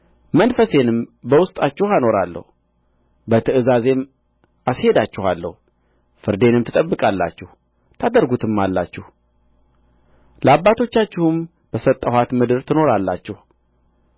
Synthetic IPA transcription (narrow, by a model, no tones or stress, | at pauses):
mənfəse̞nɨmbəwʊst̪ʼat͡ʃːɪhano̞ɾalːə̰hu | bət̪ʰəɨzaze̞m | ashe̞d̪at͡ʃːɪhalːə̰hu | fɨɾd̪e̞nɨmt̪ʰɨt̪ʼəbːɨkʼalːa̰t͡ʃːɛh | t̪ʰad̪əɾɡut̪ʰɨmːalːa̰t͡ʃːɪh | ləabːat̪ʰo̞t͡ʃːat͡ʃːɪhum | b̥əsət̪ʼːəhat̪mɨd̪ɨɾt̪ʰɨno̞ɾalːa̰t͡ʃːɪh